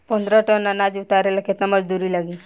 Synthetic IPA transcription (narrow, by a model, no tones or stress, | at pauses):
pənd̪ɾaʈənːanad͡ʒut̪aɾelaket̪naməd͡ʒd̪uɾilaɡi